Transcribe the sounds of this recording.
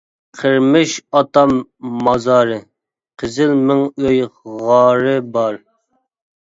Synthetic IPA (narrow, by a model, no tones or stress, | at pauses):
qʰəɾmɪʃɑt̪ɑmːɑzɑːɾɨ | qʰəzɪlmɪŋøjʁɑːɾɨbɑɾ